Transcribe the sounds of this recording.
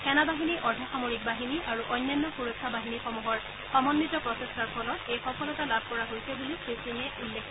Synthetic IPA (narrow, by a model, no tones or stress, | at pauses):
kɛnabaɦiniʔɔdʱaxamoɹik̚baɦiniʔaɹuʔɔjnːjanːɔxuɹokʰːabaɦinixɔmuɦɔɹ | xamɔnːitɔpɹɔtestaɹpʰɔlɔɹejxɔpʰɔlɔtalab̚ʱkɔɹaɦojsɛbulikesdinɛʔulːekʰ